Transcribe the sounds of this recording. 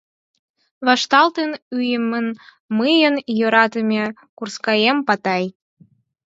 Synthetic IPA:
βɑʃt̪ɑlt̪ənyjəmən | mɨjənjoɾɑt̪əmʲe | kurskɑjempɑt̪ɑj

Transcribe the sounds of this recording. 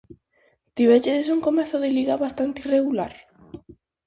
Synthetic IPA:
t̪iβet͡ʃeðesuŋkomeθʊðeliɣaβast̪ant̪ireɣulaɾ

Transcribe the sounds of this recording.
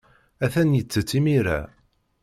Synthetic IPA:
æθænjət͡sːət͡sːimiɾæ̰

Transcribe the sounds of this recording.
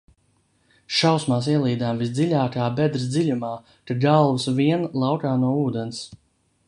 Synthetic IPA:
ʃawsmaːs̬iɛlˠiːd̪aːmvisd̪zilʲaːkaːbɛd̪ɾɨs̬d̪zilʲumaː | taɡalˠvsviɛnlˠawkaːnuɔuːd̪ɛns

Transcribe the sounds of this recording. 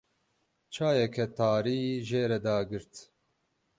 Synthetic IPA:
t͡ʃʰaːjɛkʰɛt̪aːɾiːʒeːɾɛd̪aːɡɨɾt̪

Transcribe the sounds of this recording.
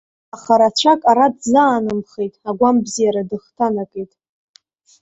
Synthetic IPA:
aχaɾat͡ɕʷʰakʼaɾadzaːnɨmχejtʼaɡʷambzijaɾadɨχtʰanakʼejtʼ

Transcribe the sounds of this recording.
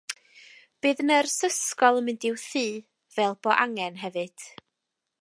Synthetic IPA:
b̥ɨːðnərsəskɔlˠəmɨndɪwθiː | vɛlˠb̥ɔʔaŋɛnɦɛvɨd̥

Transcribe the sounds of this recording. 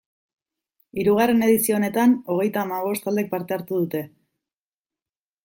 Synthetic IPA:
iɾuɣ̞are̞ne̞ð̞isio̞ːne̞t̪ano̞ɣ̞e̞jt̪aːmaβo̞st̪ald̪ek̚paɾt̪e̞aɾt̪uð̞ut̪e̞

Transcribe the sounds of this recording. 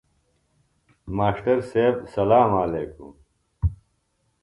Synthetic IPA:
maːɕʈɐɾseːbsɐlaːmaːleːkṵm

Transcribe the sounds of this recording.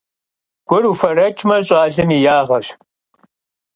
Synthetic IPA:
ɡ̥ʷʊrufɐrɐt͡ʃʼmɐɕʼɑːɮɨniːjaːʁɐɕ

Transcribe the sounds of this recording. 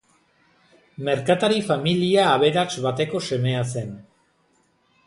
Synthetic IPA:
me̞ɾkat̪aɾifamiliaːβe̞ɾaksβat̪e̞ko̞se̞me̞ase̞n

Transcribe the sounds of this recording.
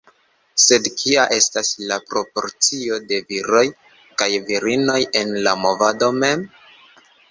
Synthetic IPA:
se̞dkʰiaʔe̞staslapɾo̞po̞̰ɾt͡sio̞de̞viɾo̞j | kajviɾino̞je̞nlamo̞vado̞me̞m

